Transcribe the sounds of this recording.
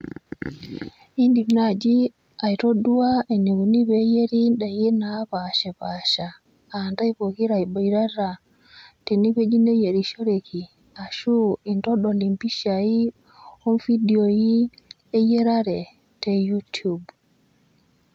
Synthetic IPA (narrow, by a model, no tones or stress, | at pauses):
indimnad͡ʒi | ajtoduwaɛniɡunibɛjeɾiɗajinapaʃɛpaʃa | andajpokiɾaibɔjɾaɾa | tɛnibed͡ʒinɛjeɾiʃoɾekʰi | aʃuintɔɗɔlimpiʃai | ɔnfidioji | ɛjɛɾaɾɛ | tɛjutub